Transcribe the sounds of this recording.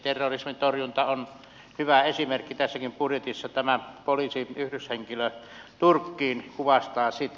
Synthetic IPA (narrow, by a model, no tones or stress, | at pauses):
t̪erːorismint̪orjunt̪ɑon | hyʋæesimerkːit̪æsːækimpurjet̪isːɑt̪æmæpolisiyhdysheŋkiløt̪urkːiːnkuʋɑst̪ɑːsit̪